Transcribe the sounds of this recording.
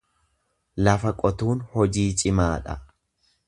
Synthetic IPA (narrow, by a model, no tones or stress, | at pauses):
lɐfɐkʼɔt̪uːnhɔd͡ʒiːt͡ʃʼɪmaːᶑɐ̰